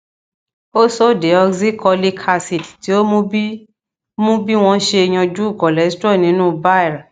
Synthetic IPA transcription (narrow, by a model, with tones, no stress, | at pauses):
o˦so˦˨de˨˦ɔ˧ɡzi˦kʰɔ˧li˦kʰa˧si˨tti˨˦o˦mũ˦bi˦ | mũ˦bi˦w̃ɔ̃˧˦ʃe˧e˧j̃ã˧d͡ʒu˦u˦˨kɔ˨lɛ˨˦stɔ˦˨nĩ˨˦nũː˦ba˦ɛ˦˨ɾa˨